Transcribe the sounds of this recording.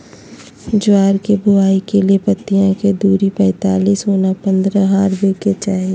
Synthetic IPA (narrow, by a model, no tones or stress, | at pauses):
d͡ʒʊaːɾkebʊaːikeliepɐt̪ːijãked̪uːɾipɛ̃ːt̪aːliːsoːnapə̃nd̪ɾəɦaːɾbeket͡ʃaːɦie